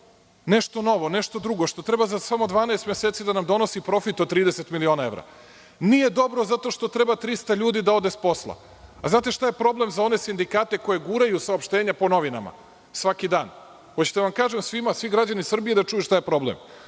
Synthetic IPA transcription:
ne̞ʃt̪o̞no̞ʋo̞neʃt̪o̞d̪ɾuɡo̞ʃt̪o̞t̪ɾe̞bazasamo̞d̪ʋaːnaest̪mʲjeseːt̪sid̪anamd̪o̞no̞sipɾo̞fit̪ot̪ɾiːd̪eset̪milio̞ːnae̞ʋɾa̰ | nije̞d̪o̞bɾo̞zat̪o̞ʃt̪o̞t̪ɾe̞bat̪ɾist̪aʎuːd̪id̪ao̞d̪espo̞slˠa̰ | a̰znaːt̪e̞ʃt̪ajepɾo̞ble̞mzao̞ne̞sind̪ikaːt̪e̞ko̞jeɡuɾajusaopʃt̪eːɲapo̞no̞ʋina̰ma̰ | sʋakid̪a̰ːn | xot͡ɕt̪aʋamkaːʒemsʋimasʋiɡɾad͡ʑanisr̩bijed̪at͡ʂujeʃt̪ajepɾo̞blḛm

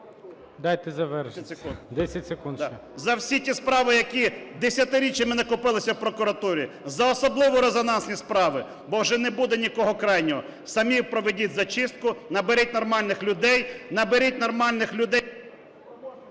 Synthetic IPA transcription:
d̪ɑjt̪ɛzɐʋɛʃud̪ɛsʲɐtʲsekunzɐwsʲitʲispɾɑʋɪjɐkʲid̪esʲjɐt̪ɪɾʲit͡ʃʲjɐmɪnɐkʊpɪlˠɪsʲɐwpɾɔkʊɾɐt̪uɾʲi | zɐɔsɔblˠɪʋɔɾezɔnɑnsʲnʲispɾɑʋɪ | bɔwʒɛnɛbud̪ɛnʲikɔɦɔkɾɑjnʲɔɦɔ | sɐmʲiwpɾɔʋedʲitʲzɐt͡ʃɪst̪̚kʊnɐbeɾʲit̚ʲnɔrmɑlʲnɪxlʲʊd̪ɛjnɐbeɾʲitʲnɔrmɑlʲnɪxlʲʊd̪ɛj

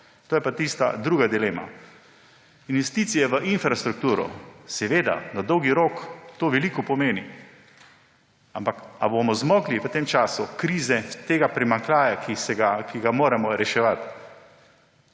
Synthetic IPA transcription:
t̪oːjɛpat̪ist̪a̰d̪ɾuːɡad̪ileːma̰ | inʋɛst̪iːt̪sijɛʋəʔinfɾast̪ɾuk̚t̪uːɾɔ̰sɛʋeːd̪a̰nad̪ɔwɡiɾoːkt̪oːʋɛliːkɔpɔmeːni | ampakabomɔzmɔːɡliʋət̪eːmt͡ʃaːsukɾiːzɛt̪eːɡapɾimaŋklaːjakisɛɡakiɡamoːɾɛmɔɾɛʃɛʋat̪

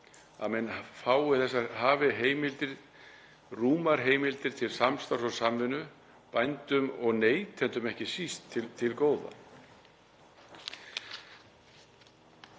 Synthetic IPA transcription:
a̰ðmɛnfaːwʏθɛs̬ːaɦaːvɪɦeːjmɪlt̪ɪɾ | ruːmaɾ̥ɦeːjmɪlt̪ɪɾ̥t̪ʰɪlsamst̪awsɔsamvɪnʏ | pajnt̪ʏmɔɣneːjt̪ʰɛnt̪ʏmɛhcɪsist̪ʰːɪt̪ʰːɪlkoːwða̰

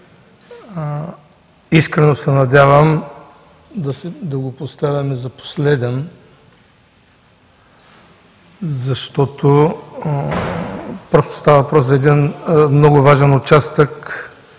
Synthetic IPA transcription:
iskɾɛnosɛnɐd̪ʲavəm | d̪ɐsɛd̪ɐɡopost̪avʲɐmɛzɐpo̥slɛd̪ɛn | zɐʃt̪ɔt̪o | pɾɔst̪o̥st̪avɐvɐpɾɔszɐɛd̪inmnɔɡʊvaʒɛnʊt͡ʃast̪ək

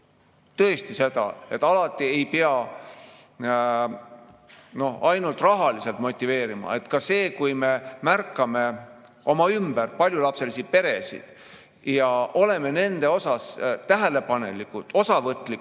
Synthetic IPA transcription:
t̪ɤ̞est̪ise̞d̪ɑ̰e̞t̪ːˑɑlɑt̪ːˑie̞jpeɑ | no̞hɑjnult̪rɑɦɑlise̞lt̪mo̞t̪ʲːˑive̞ːɾimɑ̰e̞t̪kɑse̞ːkujme̞mærkːˑɑme̞ | o̞mɑymb̥ærpɑlʲjulɑpse̞lisid̪̥̚pe̞ɾe̞sḭd̪̥ | jɑo̞le̞me̞ne̞nd̪̥e̞o̞sɑst̪æɦæle̞pɑne̞̰likːˑut̪o̞sɑvɤt̪ːˑlik

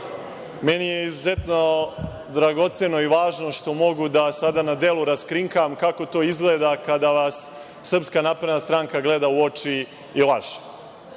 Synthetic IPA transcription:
me̞nijeizuze̞t̪no | d̪ɾaɡo̞t̪seno̞iʋaːʒno̞ʂt̪o̞mo̞ɡud̪asad̪anad̪elˠuɾaskɾiŋkamkako̞t̪o̞ːizɡleːd̪akad̪aʋasː | r̩pskanapɾed̪nast̪ɾaːŋkaɡle̞d̪auot͡ʃiː | lˠaʃe̥

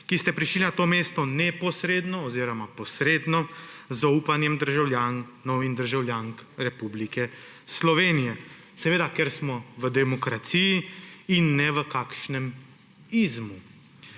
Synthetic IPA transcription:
kist̪ɛpɾiʃlinat̪oːmeːst̪ɔnɛpɔsɾeːd̪nɔːziɾɔmapɔsɾeːd̪nɔzaupanjɛmd̪əɾʒawljaːnnɔwind̪əɾʒawljaːŋkɾɛpublikɛ | slɔʋeːnijɛ | sɛʋeːd̪akɛɾsmɔʋəd̪ɛmɔkɾat̪sijiinːɛʋəkaːkʃnɛm | izmu

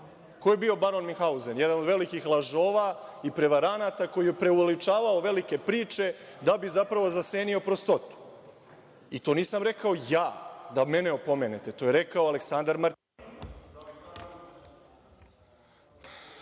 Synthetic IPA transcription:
kojebio̞baɾo̞nmixauzenjed̪anod̪ʋe̞likixlˠaʒo̞ːʋaipɾe̞ʋaɾanat̪ako̞jijepɾe̞uʋe̞lit͡ʂaːʋaoʋe̞like̞pɾiːt͡ʃe̞d̪abizapɾaʋo̞zase̞ːnio̞pɾo̞st̪o̞t̪u̥ | it̪o̞ːniːsamɾe̞kao̞jaːd̪ame̞neo̞po̞me̞net̪e̞t̪o̞ːje̞ɾe̞kaoaleksand̪aɾmaɾt̪in

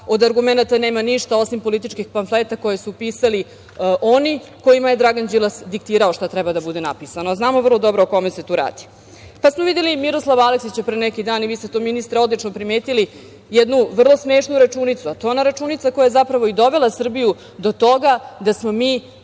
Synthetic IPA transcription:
o̞d̪aɾɡumenat̪aneːmaniʃt̪ao̞simpo̞lit̪̬it͡ʃkixpanflet̪ako̞jesupiːsali | ʔoniko̞jimaje̞d̪ɾaɡand͡ʑilˠasd̪ik̚t̪iːɾao̞ʃt̪at̪ɾɛbad̪abud̪enapisanoznaːmo̞vr̩lˠo̞d̪o̞bɾooko̞mese̞t̪uːɾa̰ːd̪̥i̥ | pasmoʋid̪elimiɾo̞slˠaʋaleksit͡ɕepɾenɛkid̪aːniʋiːst̪et̪o̞minist̪ɾeo̞d̪lˠit͡ʂnopɾimeːt̪ili | jɛd̪nuʋr̩lˠo̞smeːʃnuɾat͡ʃuːnit̪suat̪ojonaɾat͡ʃuːnit̪sako̞jajezapɾaʋo̞id̪o̞ʋe̞lˠasr̩biju | d̪o̞t̪o̞ɡad̪asmo̞miː

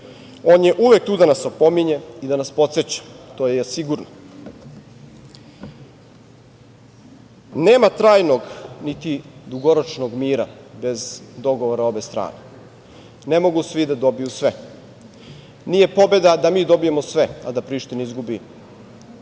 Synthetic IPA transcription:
o̞ːnje̞ʔuʋe̞k̚t̪uːd̪anasopo̞miɲe̞id̪anaspo̞t̪set͡ɕḁt̪ojesiɡuɾno | neːmat̪ɾaːjno̞ɡnit̪id̪uɡo̞ɾot͡ʃnoɡmiːɾa̰be̞zd̪o̞ɡo̞ʋo̞ɾao̞be̞st̪ɾa̰ːne | nemo̞ɡusʋid̪ad̪o̞bijusʋe | nije̞po̞be̞d̪ad̪amiːd̪o̞bije̞mosʋea̰d̪apɾiːʃt̪iniizɡubi

